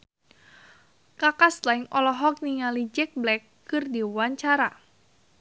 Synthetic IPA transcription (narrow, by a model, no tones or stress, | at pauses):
kakast̪lajŋɔlɔɦɔk̚niŋalid͡ʒɛk̚blɛkːɨrdiwaɲt͡ʃaɾa